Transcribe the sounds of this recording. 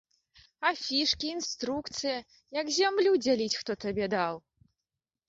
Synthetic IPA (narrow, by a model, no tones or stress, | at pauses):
afʲiʂkʲiːnst̪ɾukt̪sɨjɐ | jɐɡzʲamlʲud͡zʲalʲit͡sʲxt̪ɔt̪abʲɛd̪aw